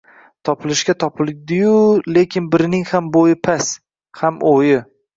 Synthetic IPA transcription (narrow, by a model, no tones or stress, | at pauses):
t̪ʰɒpʰɪlɪʃkʲat̪ʰɒpʰɪld̪ɪjʊlekʲʰɪnbɪɾnɪŋhambojɪpʰas | hamʔojɪ